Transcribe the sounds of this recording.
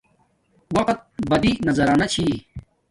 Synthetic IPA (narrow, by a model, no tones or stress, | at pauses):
wɐqt̪̚bɐd̪inɐzɐɾaːnɐt͡ɕʰi